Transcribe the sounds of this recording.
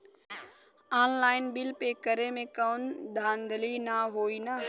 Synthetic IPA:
aːnlaːɪnbɪlpekəɾemẽkaːnd̪ʱãːnd̪ʱəlinaɦoːina

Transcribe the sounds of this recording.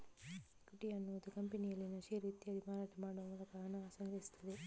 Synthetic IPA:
kuʈiɐnːuʋɐd̪ukɐmpenijɐlːinɐʃiɾiːt̪iɐd̪imaːɾaːʈʰɐmaːɽuɐnɐlɐkaːɐnɐaːsɐŋɡɾɐist̪ʰːɐd̪e

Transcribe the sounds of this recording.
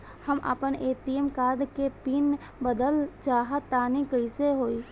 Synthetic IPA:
həmʔə̰pəneːt̪iəmkaːd̪kepiːn | bəd̪əlt͡ʃaːɦət̪aːnikəɪseɦoːi

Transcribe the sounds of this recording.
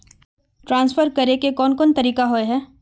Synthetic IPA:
ʈɾãːnsfʰəɾkɐɾekekɔːnkɔːnt̪ɐɾiːkaɦoeɦɛː

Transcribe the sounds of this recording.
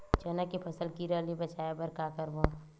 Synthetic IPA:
t͡ʃənəkepʰɐsəlkiɾəlibɐt͡ʃaːjebəɾkakəɾbõː

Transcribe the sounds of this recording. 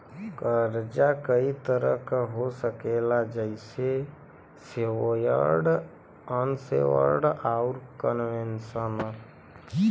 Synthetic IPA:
kəɾd͡ʒakəit̪əɾəkɦosəkelad͡ʒəɪse | sewojə̰ɾɖ | ənsḛwə̰ɾɖaʊɾkənʋensən

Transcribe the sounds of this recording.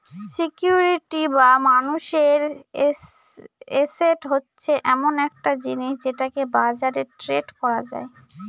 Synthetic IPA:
sikjuɾiʈibamanuʃeɾ | eseʈɦotːɕʰeʔɛmonɛk̚ʈad͡ʑiniʃd͡ʑeʈakebad͡ʑaɾeʈɾeɖkɔɾad͡ʑa̰e

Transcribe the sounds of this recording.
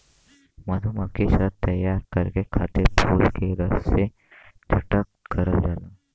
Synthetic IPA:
mɐd̪ʱumɐkesɐtt̪ɐjaːɾkɐɾkekʰaːt̪epʰuːlkeɾɐsːe | d͡ʒʰʱɐʈəkːɐɾəd͡ʒaːlaː

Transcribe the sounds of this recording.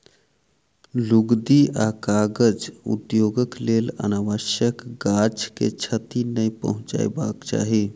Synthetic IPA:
luɡd̪iʔakaɡəd͡ʒṵt̪joɡəklelə̰naʋəʃjəkɡat͡ʃkḛt͡ʃʰət̪inəjpə̰ɦʊ̃t͡ʃa̰jbakt͡ʃa̰ːɦi

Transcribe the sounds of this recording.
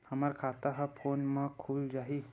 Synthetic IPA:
həmaɾkʰat̪aɦafʰonməkʰuːld͡ʒaɦi

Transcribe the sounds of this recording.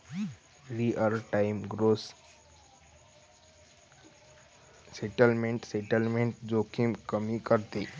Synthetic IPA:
ɾiʔəɾʈaɪmɡɾoːs | seʈəlmẽɳʈseʈəlmẽɳʈd͡ʒokʰimkəmĩkəɾt̪e

